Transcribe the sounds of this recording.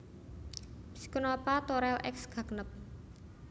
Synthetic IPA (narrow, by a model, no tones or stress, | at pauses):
si̥kənopat̪oɾɛlʔɛksɡ̥a̤knəp̚